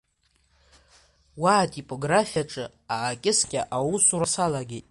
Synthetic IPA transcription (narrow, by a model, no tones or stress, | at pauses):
waːtʼipʼo̞ɡrafijaʈ͡ʂʼɨ | aːkʲʼɪskʲʼaʔawusuɾasalaɡʲetʼ